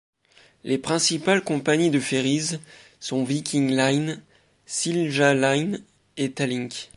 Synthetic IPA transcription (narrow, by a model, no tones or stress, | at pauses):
lʔepχɛ̃sipalkɔ̃paɲid̪əfeʁiz | sɔ̃vikʲiŋlajn | silʒalajn | et̪alĩŋk